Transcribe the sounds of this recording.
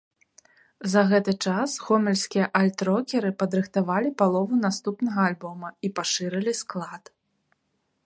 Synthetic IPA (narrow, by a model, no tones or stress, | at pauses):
zɐɣɛt̪ɨt͡ʂasxɔmʲɛlʲsʲkʲijɐʔalʲt̪ɾɔkʲɛɾɨpɐd̪ɾɨxt̪avalʲipalˠɔvunast̪upnɐɣɐːlʲbɔmɐipaʂɨɾɨlʲisklˠat̪